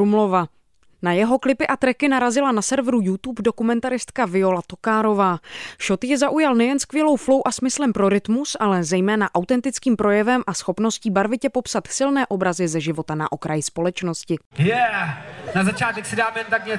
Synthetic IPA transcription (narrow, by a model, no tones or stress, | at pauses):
ɾumlova | najɛɦo̞klɪpɪʔat̪ɾɛkɪnaɾazɪlanasɛɾvɾujut̪uːpdo̞kumɛnt̪aɾɪst̪kavɪo̞lat̪o̞kaːɾo̞vaːʃo̞t̪jɛzaʔujalnɛjɛnskvjɛlo̞wflo̞wʔasmɪslɛmpɾo̞ɾɪt̪musʔalɛzɛjmɛːnaʔawt̪ɛnt̪ɪt͡skiːmpɾo̞jɛvɛmʔasxo̞pno̞sciːbaɾvɪcɛpo̞psat̪sɪlnɛːʔo̞bɾazɪzɛʒɪvo̞t̪ana̰ʔo̞kɾʔajɪspo̞lɛt͡ʃno̞scɪjɛ | nazat͡ʃaːt̪ɛksɪdaːmɛnt̪akɲɛ